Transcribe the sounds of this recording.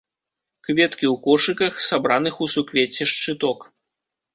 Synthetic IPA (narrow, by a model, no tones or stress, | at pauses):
kvʲɛt̪kʲiwkɔʂɨkɐxsabɾanɨxusukvʲet͡sʲːɛʂt͡ʂɨt̪ɔk